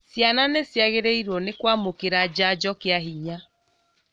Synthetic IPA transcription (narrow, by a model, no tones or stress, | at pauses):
sjananesjaɣeɾeiɾwɔnekwamokeɾad͡ʑad͡ʑɔkeaɦiɲa